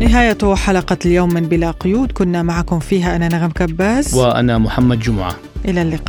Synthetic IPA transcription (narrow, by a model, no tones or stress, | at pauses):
nɪɦaːjat̪ʊħalɑqɑljoːmːɪnbɪlaqʊjuːd̪kʊnːamaʕakʊmfiːɦaʔananaɣamkabːaːzwɪʔa̰namʊħamːad̪d͡ʒʊmʊʕa̰ | ʔɪlalːɪqɑː